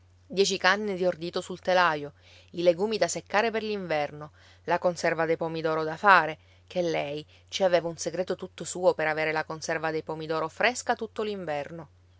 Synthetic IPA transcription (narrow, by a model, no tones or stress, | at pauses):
d̪jɛːt͡ʃikanːed̪iord̪iːt̪osult̪elajo | ileɡuːmid̪asekːaːɾeperliɱvɛrno | lakonsɛrvad̪ejpɔmid̪ɔːɾod̪afaːɾe | kelːɛj | t͡ʃiaveːvaunseɡɾeːt̪ot̪ut̪ːosuːopeɾaveːɾelakonsɛrvad̪ejpɔmid̪ɔːɾofɾeskat̪ut̪ːoliɱvɛrno